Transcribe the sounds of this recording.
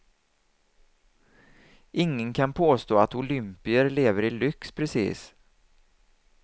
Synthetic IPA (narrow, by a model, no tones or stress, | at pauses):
ʔɪŋːənkʰanpʰoːst̪oːat̪ʊlʏmpɪəɾleːvəɾɪlʏkspʰɾɛsḭːs